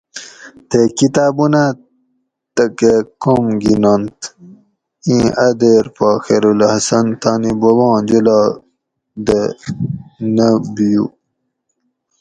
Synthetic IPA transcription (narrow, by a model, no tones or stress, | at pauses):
t̪ekit̪aːbuna | t̪ɐkekomɡinont̪ | ĩːʔɐd̪eːɾpaːxeɾulhɐsɐnt̪anibɐwɑ̃ːd͡ʑulɑː | d̪ə | nəbijṵ